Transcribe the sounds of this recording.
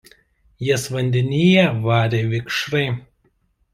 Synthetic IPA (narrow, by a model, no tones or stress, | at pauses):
jiɛsʋɐnʲd̪ʲɪnʲiːjɛʋɑːɾʲeʋʲɪkʃɾɐɪ